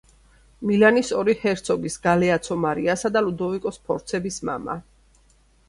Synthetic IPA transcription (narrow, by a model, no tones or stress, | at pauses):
milanisɔɾihɛɾt̪sʰɔɡisɡalɛat̪sʰɔmaɾiasad̪alud̪ɔvikʼɔspʰɔɾt̪sʰɛbisma̰ma̰